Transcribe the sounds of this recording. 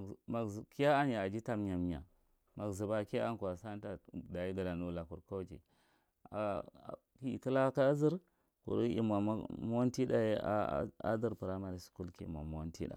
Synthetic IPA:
ma˨ki˦ja˦a˦n˦ja˨a˨d͡ʒi˦ta˦mɲa˨m˨˦a̰˨ | ma˨kzi˨ba˨ka˦nku˨a˨sa˦n˦ta˨da˨i˦ɡa˨da˨nu˦˨la˨ku˨ɾka˦t͡ʃḭ˨ | a˨ | ki˦˨ki˦la˦ka˦zi˦ɾ | kṵ˨ɾu˦ḭ˦ma˨˦mo˦n˦ti˦da˨ḛ˦a̰˦di˦ɾpu˨ɾa˦ma˨ɾi˨su̥˨ku˦lkḭ˨m˨a̰˨mo˦ntḭ˦da̰˨

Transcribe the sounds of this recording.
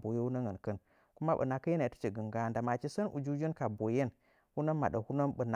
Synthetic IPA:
bo˨je˦wu˦nə˦ŋə˨nkə˦n | ku˦ma˦ɓə̰˨na˨kə˦ji˦na˨tə̥˦t͡ʃi˨ɡə˨ŋɡa˦˨nda˨ma˨t͡ʃi˦sə˦nʔṵ˨d͡ʒu˦d͡ʒi˦nka˨bo˨je˦n | hu˦na˦nma˨ɗə˨hu˦nə˦nɓə˨na˨

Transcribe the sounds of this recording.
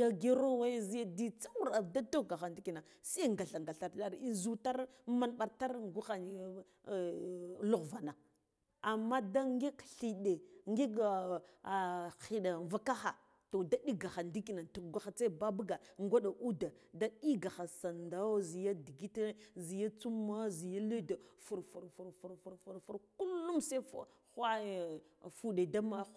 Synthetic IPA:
ja˦ɡe˦ɾo˦wa˦zi˦ja˦di˦t͡sa˦u˦ɾa˨da˦to˦˨ɡa˨xa˨ndi˦ki˨na˨ | si˦ŋɡa˨ɬa˨ŋɡa˨ɬa˨ɾɬa˦ɾi˦zu˦ta˦ɾ | ma˦nɓa˨ɾta˦ɾɡu˦xa˨n˨ | lu˦ɣva˨na˨ | a˨mːa˦da˦ŋɡe˦kɬi˨ɗe˨ŋɡi˦ɡa˨ | xi˨ɗa˨va˦ka˦xa̰˨ | to˨da˦ɗi˦ɡa˨xa˨ndi˦ki˨na˨ntu˨ɡʷa˦xa˨t͡sa˦ba˦ba˦ɡa˨ŋɡʷa˦ɗa˨ʔu˦da˨da˦ɗi˦ɡa˨xa˨sa˨nda˦wzi˨ja˦di˨ɡi˦te˦zi˨ja˦t͡su˦ma˦zi˨ja˦le˦da˨fu˨ɾfu˨ɾfu˨ɾfu˨ɾfu˨ɾfu˨ɾfu˦ɾku˦lːu˦mse˦f | xa˦˨fu˨ɗe˨da˦ma˦

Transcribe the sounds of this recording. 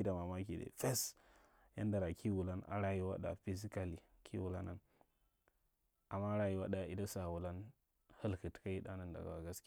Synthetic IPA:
i˦da˨ma˨ma˦ki˨dḛ˨fe˦s | ja̰˦nda˨ɾa˨kʰi˦wu˨la˦na̰˨ɾa˦ji˦wa˦ɗa̰˨fi˦zi˦ka˨li˨ | kʰi˦wu˨la˦na˨n | a˨mːa˦ɾa˨ji˦wa˦ɗa˨i˦da˦sa˨wu˨la˦n | hə˦lkɨ˨tka˦ji˦da˦na˦˨nda̰˨ɡa̰˨wa˨ɡa˦skʲ

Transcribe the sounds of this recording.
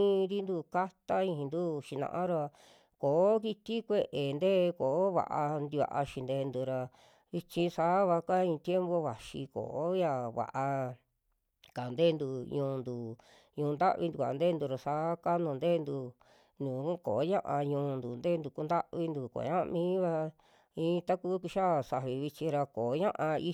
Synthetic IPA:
ɾi˦nd̪u˧ka˦t̪a˦ĩ˧nd̪u˦ʃi˧nã̰˧ʔã˦ɾa˧ | koː˨˦ki˧t̪i˦kʷe˧ʔe˨nd̪eː˦˧koː˨˦βa̰˧˨ʔa˧nd̪i˧βa̰˧ʔa̰˧ʃi˧nd̪e˧nd̪u˧ɾa˧ | βi˧t͡ʃĩ˧saː˨˦βa˧ka˦ĩ˧t̪je˦mbo˧βa˨ʃi˧ko̰˨o˦ja˧βa̰˨ʔa˧ | ka˨nd̪eː˦˧nd̪u˧ɲũː˧nd̪u˨ | ɲũː˧nd̪a̰˦ʔβi˧nd̪u˧˨a̰˨˧nd̪e˦nd̪u˧ɾa˧saː˧˦ka˦nũ˧˨nd̪eː˦˧nd̪u˧ | nũ˨˦koː˨˦ɲã˦ʔã˧ɲũː˧nd̪u˨nd̪e˦nd̪u˧˨ku˧nd̪a˦ʔβi˧nd̪u˨ko̰˨˦ɲã˦a̰˧mĩː˦βa˧ | ĩː˧t̪a˦kuː˦ki˧ʃa˦˨sa˧βi˧βi˧t͡ʃĩ˧ɾa˧koː˨˦ɲã˦ʔã˧i˦

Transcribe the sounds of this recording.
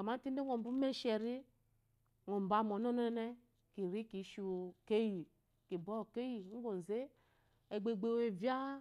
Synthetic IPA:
a˨ma˦ti˦e˦ŋo˨bu˦me˦ʃɛ˨ɾi˦ | ŋo˨m˨ba˨mo˨no˦no˦n˦nɛ˦ | ki˨ɾi˦ki˨˦ʃu˨ke˦ji˨ | ki˨bɔ˦˨ke˦ji˨ŋ̩˦ɡo˨n˨ze˦ | e˨ɡ͡be˨ɡ͡be˦˨we˨vja˦

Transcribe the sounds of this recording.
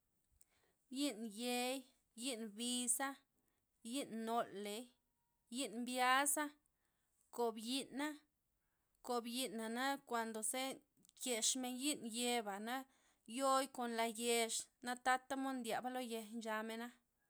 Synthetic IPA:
ji˦nje˧j | ji˦nbi˧sa˦ | ji˦nːo˧lːe˨j | ji˦nmbja˦sa˦ | ko˨bji˦nːa˦ | ko˨bji˧˦nːa˨na˦kʷa˨nd̪o˨se˦ | je˧ʂme˧nji˦nje˧ba˨na˦ | jo˦jko˨nla˧je˧ʂna˦t̪a˦t̪a˦mo˦nd̪ʲja˨ba˦lo˦je˧nt͡ʃa˧me˧na˦

